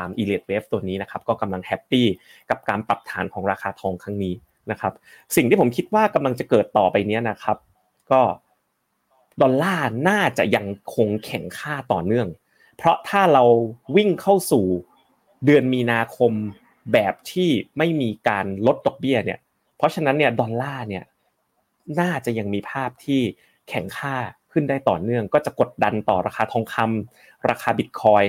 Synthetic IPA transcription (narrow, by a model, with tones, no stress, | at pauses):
a˧mʔiː˧leː˨˩t̪̚weː˦˥p̚t̪u˧əniː˦˥na˦˥kʰa˦˥p̚kɔː˥˩ka˧mla˧ŋhɛ˦˥pːiː˥˩ | ka˨˩p̚kaː˧npɾa˨˩p̚t̪ʰaː˩˦nkʰɔː˩˦ŋɾaː˧xʰaː˧t̪ʰɔː˧ŋkʰa˦˥ŋniː˦˥ | na˦˥kʰa˦˥p̚ | si˨˩ŋt̪ʰiː˥˩o˩˦mkʰi˦t̪̚waː˥˩ka˧mla˧ŋt͡ɕa˨˩kɤː˨˩t̪ːɔː˨˩pa˧jni˦˥ɐna˦˥kʰa˦˥p̚ | kɔː˥˩ | dɔː˧nlaː˥˩naː˥˩t͡ɕa̰˨˩ʔja˧ŋkʰo˧ŋkʰɛ˨˩˦ŋkʰaː˥˩t̪ɔ̰ː˨˩nɯ˥˩əŋ | pʰɾɔ˦˥t̪ʰaː˥˩ɾa˧wwi˥˩ŋkʰa˥˩wsuː˨˩ | dɯ˧ənmiː˧naː˧kʰo˧m | bɛː˨˩p̚t̪ʰiː˥˩ma˥˩jmiː˧kaː˧nlo˦˥t̪̚dɔ˨˩k̚bi˥˩ɐnḭ˥˩ | pʰɾɔ˦˥t͡ɕʰa˧na˦˥nːi˥˩ɐdɔː˧nlaː˥˩ni˥˩ɐ | naː˥˩t͡ɕa˨˩ja˧ŋmiː˧pʰaː˥˩p̚t̪ʰiː˥˩ | kʰɛ˨˩ŋkʰaː˥˩kʰɯ˥˩ndaː˥˩jt̪ɔː˨˩nɯ˥˩əŋkɔː˥˩t͡ɕa˨˩ko˨˩t̪̚da˧nt̪ɔ̰ː˨˩ɾaː˧xʰaː˧t̪ʰɔː˧ŋkʰa˧m | ɾaː˧kʰaː˧bi˨˩t̪̚kʰɔː˧j